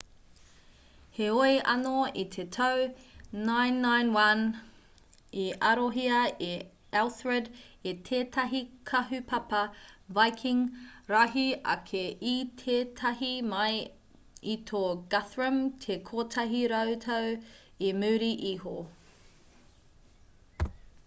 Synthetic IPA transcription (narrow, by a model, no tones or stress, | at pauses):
heojʔɐ̰noit̪ʰetʰɐwː | ajnːajnwɐn | iɐɾoɦiɐe | ɛlˠθɹɛdetʰeːtʰɐɦikʰɐɦʉpʰɐpɐvajkʰiŋɾaɦiɐ̰kʰeit̪ʰeːtʰɐɦimɐj | it̪ʰoɡɐθɹəmtʰekʰotʰɐɦiɾɐwtʰɐw | imʉːɾiʔiho